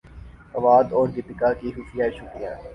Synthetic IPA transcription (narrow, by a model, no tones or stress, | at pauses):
ɐʋaːd̪ɔːɾɡɪpɪkakiɦʊfijaeʃʊkɾijã̰ː